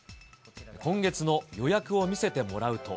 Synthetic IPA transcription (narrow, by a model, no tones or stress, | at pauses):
kõ̞ŋɡe̞t͡sɨno̞jo̞jakɯ̟o̞mʲise̞t̪e̞mo̞ɾaɯ̟t̪o̞̰